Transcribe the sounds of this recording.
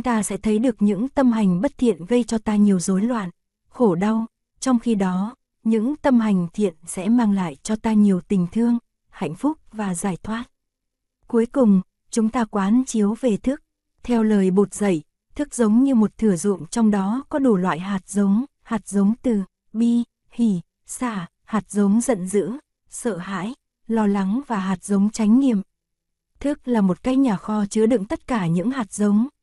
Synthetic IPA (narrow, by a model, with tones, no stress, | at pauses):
t͡ɕŋ͡mt̪aː˧sɛ̰˧˥t̪ʰə˨˦jɗɨ˨˩ək̚ɲɨ̰˧˥ŋt̪ə˧mɦa˨˩jŋ̟ɓə˦˥t̚t̪ʰḭ˧˨ənɣə˧jt͡ɕɔ˧t̪aː˧ɲi˨˩əwzo˨˦jlwa̰ː˧˨n | xo˧˩ɗa˧w | t͡ɕɔ˧wŋ͡mxi˧ɗɔ˨˦ | ɲɨ̰˧˥ŋt̪ə˧mha˨˩jŋ̟t̪ʰḭ˧˨ənsɛ̰˧˥maː˧ŋla̰ː˧˨jt͡ɕɔ˧t̪aː˧ɲi˨˩əwt̪ï˨˩ŋ̟t̪ʰɨ˧əŋ | ha̰˧˨jŋ̟fʊ˦˥k͡p̚vaː˨˩zaː˧˩jt̪ʰwaː˦˥t̚ | ku˨˦jkʊ˨˩ŋ͡m | t͡ɕʊ˨˦ŋ͡mt̪aː˧kwaː˨˦nt͡ɕi˨˦əwve˨˩t̪ʰɨ˦˥ək̚ | t̪ʰɛ˧wləː˨˩jɓo˨˩t̚zə˧˩j | t̪ʰɨ˦˥k̚zə˨˦wŋ͡mɲɨ˧mo˨˩t̚t̪ʰɨ˧˩əzʊ̰˧˨ŋ͡mt͡ɕɔ˧wŋ͡mɗɔ˨˦kɔ˨˦ɗu˧˩lwa̰ː˧˨jɦaː˨˩t̚zə˨˦wŋ͡m | haː˨˩t̚zə˨˦wŋ͡mt̪ɨ˨˩ | ɓi˧ | hi˧˩ | saː˧˩ | haː˨˩t̚zə˨˦wŋ͡mzə̰˧˨nzɨ̰˧˥ə | səː˧˨ha̰ː˧˥j | lɔ˧la˨˦ŋvaː˨˩ɦaː˨˩t̚zə˨˦wŋ͡mt͡ɕa˨˦jŋ̟ŋḭ˧˨əm | t̪ʰɨ˦˥k̚laː˨˩mo˨˩t̚ka˦˥jk̚ɲaː˨˩xɔ˧t͡ɕɨ˨˦əɗɨ̰˧˨ŋt̪ə˦˥t̚kaː˧˩ɲɨ̰˧˥ŋhaː˨˩t̚zə˨˦wŋ͡m